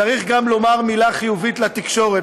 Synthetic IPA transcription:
aʁiχɡamlo̞maʁmilaχijuvit̪lat̪ikʃo̞ʁe

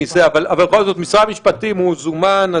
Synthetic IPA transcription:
iseavalavalbexo̞lzo̞t̪misʁamiʃpatimhuzumana

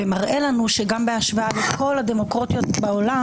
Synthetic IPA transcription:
emaʁʔe̞lanuʃeɡambeaʃvaalekʰo̞lad̪e̞mo̞kʁot̪jo̞t̪̚baola

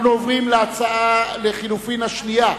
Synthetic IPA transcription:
nuovʁimleat͡saale̞χilufinhaʃnija

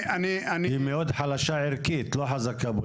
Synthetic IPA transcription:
anianihimeod̪ħalaʃaʕiʁkit̪loħazakabo

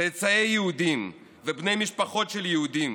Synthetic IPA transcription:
et͡sajejːehud̪im | vebne̞jmiʃpaχo̞t̪ʃeljehud̪im

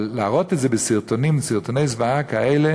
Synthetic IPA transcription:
laaʁot̪etzebesiʁt̪onimsiʁt̪onejzvaakaele

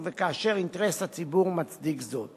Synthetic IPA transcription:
vɛkaːʃɛɾɪntɾɛsat͡sibuʁmat͡sdikzɔt

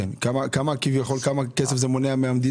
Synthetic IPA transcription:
enkamakamakivjaχo̞lkamakesefzemoneameamd̪i

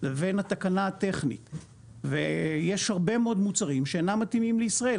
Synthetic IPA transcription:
leve̞nhat̪akanaːt̪e̞χnḭt̪ | veje̞ʃhaʁbe̞meo̞d̪mut͡saʁimʃeenamːat̪imimleisʁaʔel

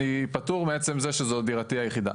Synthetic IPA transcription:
ipatuʁmeet͡se̞mzeʃezod̪iʁat̪iajeχid̪a̰

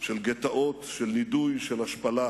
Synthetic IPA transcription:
ʃelɡet̪aʔo̞t̪ʃelːidujʃelhaʃpala

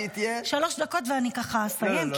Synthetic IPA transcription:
it̪jeʃalo̞ʃd̪ako̞t̪veanikaχasajem

